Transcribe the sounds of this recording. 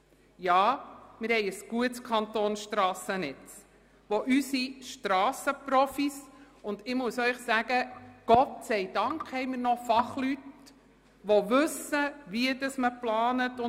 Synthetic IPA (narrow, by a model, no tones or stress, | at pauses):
jɑːmɪɾhɛɪəsɡ̥uətt͡skʰɑnt̪oːnsʃtɾɑːsənɛt͡s | ʋoʔysiʃtɾɑːsəpɾɔfis | ʊndɪmuəsœʏχsæɡ̥əɡ̥ɔt̚sɛɪd̥ɑŋkhɛɪmɪɾnɔfɑχlyt | ʋoʋɵsəʋiədəsməplɑːnətʊ